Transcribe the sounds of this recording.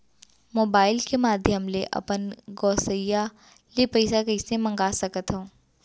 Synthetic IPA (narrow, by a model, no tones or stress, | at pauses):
moːbaːɪlkemaːd̪ʱjəmleʔɐ̰pənɡɔːsəja | lepəɪsakɐɪsẽmɐ̃ŋɡaːsɐkət̪ɦõː